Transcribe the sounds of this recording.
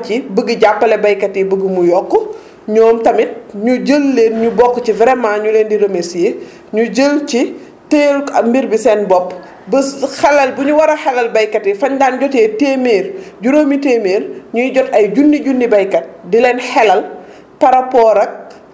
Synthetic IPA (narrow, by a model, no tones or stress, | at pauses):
t͡ʃibəɡəɟapːɐlɛbɐjkɐtibəɡəmujɔkːu | ɲɔːmtɐmit̚ɲuɟəlːeːnɲubɔkːcivɛɾɛmaɲuleːndiɾɐmesje | ɲuɟəlci | teːlkɐmbiɾbisɛnbɔpː | bəxɛlːɐlbuɲuwɐɾɐxɛlɐlbɐjkɐtifɐɲdaːnɟɔteːteːmeːrɟuɾoːmiteːmeːrɲujɟɔtɐjɟunːiɟunːibɐjkɐt̚dilɛːnxɛlɐl | pɐɾɐpɔːɾɐk̚